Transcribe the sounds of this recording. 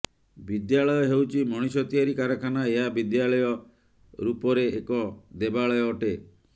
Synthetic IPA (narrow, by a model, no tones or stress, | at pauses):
bid̪jaɭɔjɔɦewt͡ʃʰimɔɽ̃isɔt̪ijaɾikaɾɔkʰanaeɦabid̪jaɭɔjɔ | ɾupɔɾeekɔd̪ebaɭɔjɔːʈe